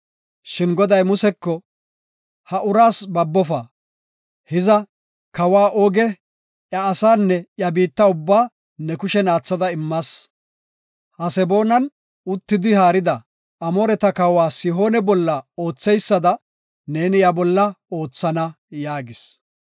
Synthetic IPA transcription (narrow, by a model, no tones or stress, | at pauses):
ʃɪnɡɔd̪ɐjmʊsɛkːɔ | hɐʔʊɾaːsbɐbːɔfɐ | hɪzɐ | kɐwaːʔoːɡɛ | ʔjɐːsaːnːɛjɐbiːt̪ːɐʊbːaː | nɛkʊʃɛnaːt͡sːɐd̪ɐɪmːɐs | hɐsɛbo̞ːnɐn | ʊt̪ːɪd̪ɪhaːɾɪd̪ɐ | ɐmɔɾɛt̪ɐkɐwaːsɪɦo̞ːnɛbɔlːɐo̞ːt͡sːɛjsːɐd̪ɐ | ne̞ːnɪjɐbɔlːɐo̞ːt͡sːɐnɐ | jaːɡɪs